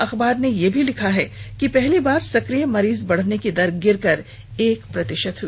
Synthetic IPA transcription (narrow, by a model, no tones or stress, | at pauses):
ɐxbaːɾnejebʱilɪkʰaɦɛkipɛɦlibaːɾsɐkɾijəmɐɾiːzbɐɽ̤neked̪ɐɾɡɪɾkɐɾ | eːkpɾɐt̪ɪʃət̪